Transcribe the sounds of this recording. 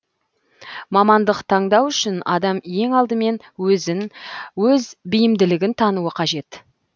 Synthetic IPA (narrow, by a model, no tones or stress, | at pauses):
mɑmɑnd̪əqt̪ʰɑɴd̪ɑwʏʃɪnɑd̪ɑmje̞ŋɑlˠd̪əme̞n | wɵzɪnwɵzbɪjɪmd̪ɪlɪɡʲɪnt̪ʰɑnuəqʰɑʒe̞t̪